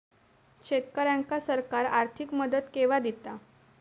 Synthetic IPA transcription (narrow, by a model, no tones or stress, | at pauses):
ɕet̪kəɾaŋkasəɾkaɾaɾt̪ʰikməd̪ət̪keʋad̪it̪a